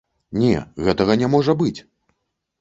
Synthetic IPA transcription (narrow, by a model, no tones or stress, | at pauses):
nʲɛ̰ɣɛt̪ɐɣɐnʲɛmɔʐɐbɨt͡sʲ